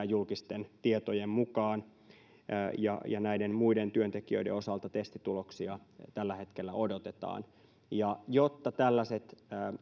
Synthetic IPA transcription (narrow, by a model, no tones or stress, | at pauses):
julkist̪ent̪iet̪ojemmukɑːn | jɑ̰jɑnæidemmuident̪yønt̪ekiø̰deo̞sɑlt̪ɑt̪est̪it̪uloksiɑ | t̪ælːæhe̞t̪kelːæodot̪et̪ɑ̰ːn | jɑjot̪ːɑt̪ælːæset̪ː